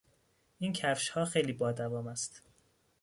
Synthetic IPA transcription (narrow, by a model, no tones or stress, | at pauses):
ʔiːncʰæfʃhɒːxejliːbɒːd̪ævɒːmæst̪